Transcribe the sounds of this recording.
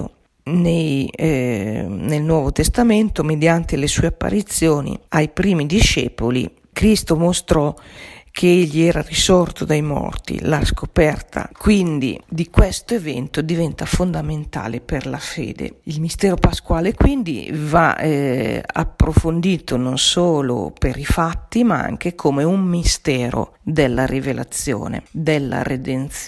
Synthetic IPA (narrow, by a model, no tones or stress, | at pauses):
nej | nelnwɔːvot̪est̪amɛnt̪omed̪jant̪elesuːeapːa̰ɾit̪sːjoːnḭajpɾiːmid̪iʃɛ̰ːpolḭ | kɾist̪omost̪ɾɔkʰeeʎːiɛːɾarisɔrt̪od̪ajmɔ̰rt̪ḭlaskopɛrt̪ʰa̰kwind̪ḭd̪ikwɛst̪oevɛ̰nt̪od̪ivɛnt̪afond̪ament̪a̰ːleperlafḛːd̪ḛilmist̪ɛːɾopaskwaːlekwind̪ḭva̰ɛa̰pːɾofond̪iːt̪ononsoːlo̰peɾifat̪ːimaa̰ŋk̟ekʰomeumːist̪ɛːɾo̰ | d̪elːaɾivela̰t̪sjo̰ːnḛd̪elːa̰ɾed̪ent̪s